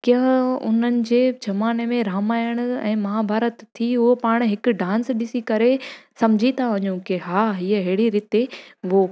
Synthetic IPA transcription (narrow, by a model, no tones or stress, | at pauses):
kjə̃ɦʊ̰n̤ənɪ̆d͡ʑeːd͡ʑɐmaːnemẽɾaːmaːjəɽ̃ʊɛ̰̃ːmɐɦabʱaːɾət̪ʰːiʊɦopaːɽ̃ɦɪkʊ̆ɖãːnsɗɪsikɐɾesɐmd͡ʑʱit̪ʰaʋɐɲũkɪɦaːɦiːəɦɪːɽiɾɪt̪eʋo